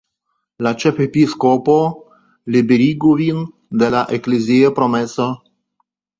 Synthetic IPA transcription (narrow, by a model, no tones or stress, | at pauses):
lat͡ʃefepiskopo | libeɾiɡovin | d̪elaʔekleziopɾomeso